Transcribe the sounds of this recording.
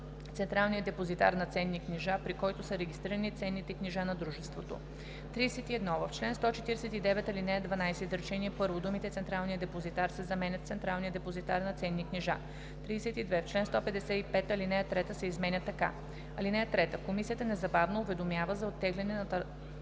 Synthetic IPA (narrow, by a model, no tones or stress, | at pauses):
t̪sɛnt̪ɾalˠnijəd̪ɛpozit̪a̰ɾnɐt̪sɛnːikniʒapɾikɔjt̪ʊsəɾɛɡʲist̪ɾiɾɐnit̪sɛnːit̪ɛkniʒanɐd̪ɾuʒɛst̪vot̪o̰ | t̪ɾisɛt̪iɛd̪nɔvɐft͡ʃlɛnst̪ɔt͡ʃɛt̪iɾɛsɛt̪id̪ɛvɛt̪ɐlinɛd̪vɐnajsɛzɾɛt͡ʃɛniɛpɤɾvod̪umit̪ɛt̪sɛnt̪ɾalˠnijəd̪ɛpozit̪aɾsɛzɐmɛnʲət̪t̪sɛnt̪ɾalˠnijəd̪ɛpozit̪aɾnɐt̪sɛnːikniʒa | t̪ɾiːsɛt̪id̪vɛft͡ʃlɛnst̪ɔpɛd̪ɛsɛipɛt̪ɐlinɛət̪ɾɛt̪əsɛizmɛnʲət̪ːɐka̰ | ɐlinɛɛt̪ɾɛt̪əkomisiət̪ənɛzɐbavnoʊvɛd̪omjavəzɐot̪ːɛɡlʲɛnɛnɐt̪